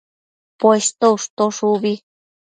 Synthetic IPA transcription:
pwest̪ouʂt̪oʂuβi

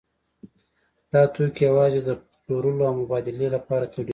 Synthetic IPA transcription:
d̪̥ɑt̪okjawɑzed̪ə | loɾuloawmʊbɑd̪ɪlelapɑɾat̪ʰaɽi

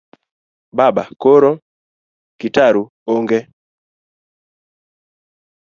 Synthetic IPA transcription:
babakoɾo | kitaɾu | oŋɡe

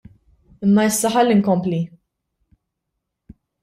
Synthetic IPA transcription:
ɪmːɐɪsːɐħɐlːiŋkɔmpli

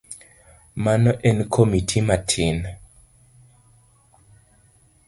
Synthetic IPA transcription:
manɔʔɛnkʰomitʰimatʰin

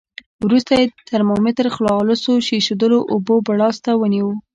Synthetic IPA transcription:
wɾust̪ajet̪ʰəɾmomɪt̪əɾxlɑlʊsoʃeʃod̪əloʔobobaɽɑst̪awəniwu

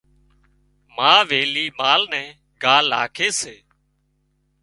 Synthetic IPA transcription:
maːʋeːliːmaːlnɛ̃ː | ɡaːlːa̰ːkʰeːseː

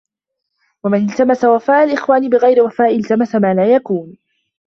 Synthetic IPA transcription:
wamɪnɪlt̪amasawafaːʔalʔɪxwaːnibɪɣajɾɪwafaːʔɪlt̪amasamaːlaːjakuːn

